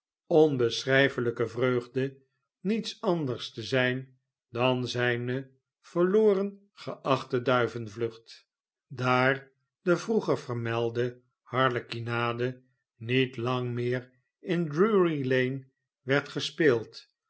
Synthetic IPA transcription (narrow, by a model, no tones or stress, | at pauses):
ɔnbəsrɛjfələkəvrøːχdə | nitsɑndəɹstəzɛjn | dɑnzɛjnə | v̥əɹloːrən | χəʔɑχtədœɥvənvlɵχt | daːɹ | dəvruχəɹvəɹmɛlˠdə | hɑɹləkinaːdə | nitlɑŋmɪːr | ɪndruɹilejn | ʋɛɹtχəspɪːlˠt